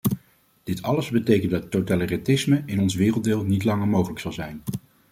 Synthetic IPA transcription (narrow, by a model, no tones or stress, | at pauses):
d̥ɪtʰɑləzbətejkəndɑtːotalərɛtɪsməɪnɔnsʋɪːrəlˠdɪːlˠnitlɑŋəɹmowχələksɑlˠzɛjn